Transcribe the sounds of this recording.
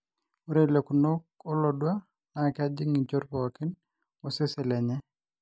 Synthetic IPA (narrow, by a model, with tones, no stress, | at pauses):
o˦ɾe˦le˨ku˨no˦k̚ɔ˦lo˨dwa˦ | na˨kɪ˦a˦d͡ʒɪ˦ŋi˨t͡ʃo˦ɾbɔ˨kɪ˦n | o˦se˦sɛ˨lɛ˨ɲɛ˦